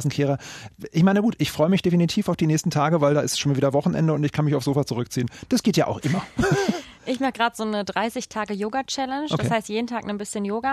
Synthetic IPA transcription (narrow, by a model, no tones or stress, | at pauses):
sn̩kʰeːʁɐʔɪçmaɪnəɡuːtʔɪçfʁ̥ɔʏəmɪçd̥efinitʰiːfaʊfd̥iːnɛːstn̩tʰaːɡəvaɪldaːʔɪstʃoːnmaviːdɐvɔχn̩ʔɛ̰ndəʊntɪçkʰanmɪçaʊfz̥oːfat͡suʁʏkt͡siːənd̥asɡ̥eːtjaːʔa̰ʊxʔɪmɐ | ʔɪçmaχəɡ̥ʁaːtz̥oːnədʁaɪsɪçtʰaːɡəjoːɡat͡ʃɛlɛnʃdokahaɪstjeːdn̩tʰaːknənbɪsçənjoːɡa